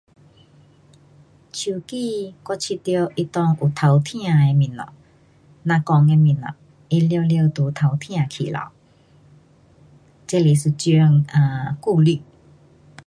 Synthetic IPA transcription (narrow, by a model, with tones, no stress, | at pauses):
t͡ɕʰju˨˩ki˧˨kɔ˧˦t͡ɕʰi˧t̪jo˧ʔi˦t̪ɔ˧ŋu˨˩t̪ʰa˨˩wt̪ʰj̃ã˥˧˨e˧mi˨˩nlɔ̰˨ | nã˧kɔ˧ŋe˧mi˨˩nɔ̰˨˩ | i˦ljo˧ljə˧t̪u˨˧˦t̪ʰa˨˩wt̪ʰj̃ã˧kʰḭ˨˩la̰˨˦w | t͡ɕe˦li˨˩su˨˩t͡ɕjo˧ŋa˨˩ku˥˧li˥˧˨